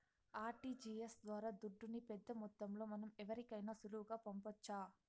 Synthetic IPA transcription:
aːɾʈiːd͡ʒiːesd̪ʋaːɾaːd̪uɖːunipɛd̪ːɐmɔt̪ːɐmlo̞ːmɐnɐmɛʋɐɾikɐjnaːsuluʋuɡaːpɐmpɐt͡ʃːaː

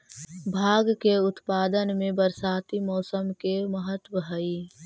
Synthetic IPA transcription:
bʱaːɡkeʊt̪paːd̪ənmẽbəɾsaːt̪imɔːsəmkeməɦət̪wəɦəi

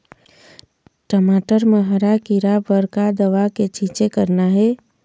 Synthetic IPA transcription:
ʈəmaːʈəɾməɦəɾakiɾabəɾkad̪əʋaket͡ʃʰit͡ʃekəɾnaɦɛː

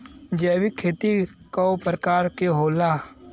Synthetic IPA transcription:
d͡ʒɛːwikʰːeːt̪ikaopɾəkaːɾkeɦoːlaː

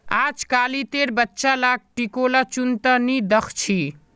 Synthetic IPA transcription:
ad͡ʒkalit̪eɾbətːʃalaɡ̚ʈikolat͡ʃunt̪anid̪əkʰt͡ʃʰi

